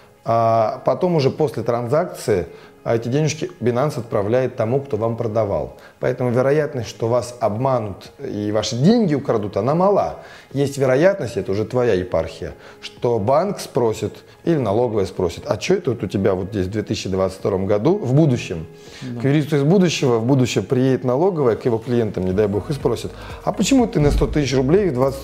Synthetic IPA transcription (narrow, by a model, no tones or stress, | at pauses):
apɐt̪o̞mʊʐɛpo̞sʲlʲɪt̪ɾɐnzak̚t̪sɨɪ | ɛtʲɪdʲenʲɪʂkʲɪbʲɪnansɐt̪̚pɾɐvlʲæjɪt̪ːɐmukt̪o̞vampɾəd̪ɐva̰lˠ | pɐɛt̪əmʊvʲɪɾɐjat̪nəsʲtʲʂt̪o̞vasɐbmanʊt̪ivaʂɨdʲenʲɡʲɪʊkɾɐd̪ut̪ɐnamɐlˠa | jesʲtʲvʲɪɾɐjat̪nəsʲtʲɛt̪əʊʐɛt̪vɐjajɪpa̰rxʲɪjə̰ | ʂt̪o̞bankspɾosʲɪt̪ | ilʲɪnɐlˠo̞ɡəvəjəspɾosʲɪt̪ɐt͡ɕːoɛt̪əot̪ʊtʲɪbʲavo̞t̪zdʲesʲvd̪vʲet̪ɨsʲɪɕːɪd̪vat̪sə̥tʲfʲt̪ɐɾo̞mɡɐd̪uvbud̪ʊɕːɪm | kkvʲɪɾʲit̪sʊɪzbud̪ʊɕːɪvəvbud̪ʊɕːɪəpɾʲɪjedʲɪt̪nɐlˠo̞ɡəvəjəkjɪvo̞klʲɪjent̪əmnʲɪd̪ajbo̞xɨspɾo̞sʲɪt̪ɐpət͡ɕɪmut̪ɨnəst̪o̞t̪ɨsʲɪt͡ɕrʊblʲejd̪vat̪s